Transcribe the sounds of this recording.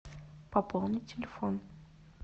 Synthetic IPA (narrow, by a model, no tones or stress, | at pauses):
pɐpolˠnʲɪtʲɪlʲɪfon